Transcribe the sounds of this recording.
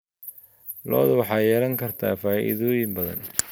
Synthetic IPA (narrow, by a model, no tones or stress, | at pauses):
lɔ̰ːðɐwɑħɑːjɛːlɐŋkʰɐrt̪ʰaːfaːʔḭðɔːjɪmbɐðɐ̰n